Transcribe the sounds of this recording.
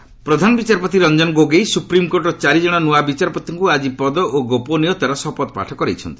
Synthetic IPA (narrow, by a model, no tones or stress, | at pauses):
pɾɔd̪ʱanɔbit͡ʃaɾɔpɔt̪iɾɔnd͡ʒɔnɡoɡejsupɾimkoɾʈɔt͡ʃaɾid͡ʒɔɽ̃ɔnuabit͡ʃaɾɔpɔt̪ːɔŋkuad͡ʒipɔd̪ɔʔoɡoponijɔt̪aɾɔsɔpɔt̪ɔpa̰ʈʰɔkɔɾḛjt͡ʃʰɔnt̪i̥